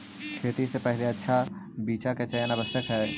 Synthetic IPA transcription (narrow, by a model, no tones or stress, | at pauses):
kʰeːt̪isepɛɦleɐtːʃʰa | biːt͡ʃaket͡ʃɐjənabəsjəkɦɛː